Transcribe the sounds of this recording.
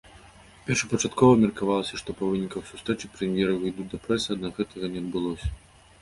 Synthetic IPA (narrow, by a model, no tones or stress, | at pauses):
pʲɛrʂɐpɐt͡ʂat̪kɔvɐmʲɐrkavalˠɐsʲɐʂt̪ɔpɐvɨnʲikɐxsu̥st̪ɾɛt͡ʂɨpɾɛmʲjɛɾɐvɨjd̪ud̪ɐpɾɛsɨɐd̪naɣɛt̪ʰɐɣɐnʲɛɐd̪bɨlˠɔsʲɐ̥